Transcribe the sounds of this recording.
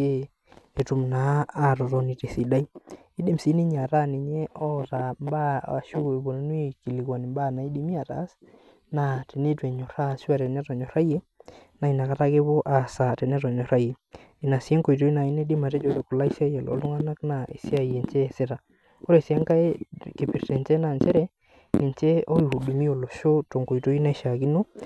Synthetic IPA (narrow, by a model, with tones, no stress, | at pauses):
e˦ | e˨tu˨mnaː˨˦ɾɔ˨ɾɔ˨ni˨te˨si˨da˦i˦ | i˦de˨msi˨˦ni˦ɲa˨ɾa˦ni˨ɲɛ˦ɔ˦ɾa˨mba˦˨ʃu˦e˨βo˨n˦nwe˦ki˨li˨kwa˨nɪ˨mba˦na˨i˦di˨˦mi˦a˨ɾa̰˨˦s | na˨te˨ne˦twɛ˨ɲɔ˨ɾa˦ʃu˦a˨ɾɛ˨nɛ˦tɔ˨ɲɔ˨ɾa˦je˦ | na˨i˨na˨ka˦ta˦ke˦βo˦ʔa˨sa˨tɛ˨nɛ˦tɔ˨ɲɔ˨ɾa˦je˨ | i˨na˨si˦ɛ˦ŋko˨i˨to˦i˦na˨i˦nɛ˦di˦ma˨tɛ˦d͡ʒo˨ɾɛ˨ko˨la˦i˦si˦a˦jɛ˨lɔ̰˨˦lu˦ŋa˦na˦kna˨ʔḛ˨si˦a˦i˨e˨nt͡ʃɛ˦˨se˦ta˨ | ko˦ɾɛ˨si˨˦a˦ŋka˦e˦ke˨pi˨ɾtɛ˨nt͡ʃɛ˦na˨nt͡ʃɛ˦ɾɛ˦ | ni˨nt͡ʃɛ˦o˦i˨hu˨du˨mi˦o˨lo˨ʃo˦to˨ŋko˨i˨to˦i˦na˦ʃa˨ki˦no˦